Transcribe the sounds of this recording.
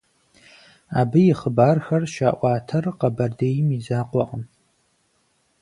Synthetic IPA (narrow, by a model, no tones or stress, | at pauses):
abɨjiχəbarxarʃaːʔʷaːtʰɨrqʼabardejmizaːqʷʼaqʼəm